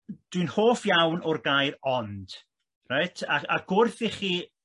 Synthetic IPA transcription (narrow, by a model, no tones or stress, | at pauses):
d̥wiɨnhoːfjawnɔrɡajɾɔnd̥ | rajtʰaaɡ̥ʊrθiχiː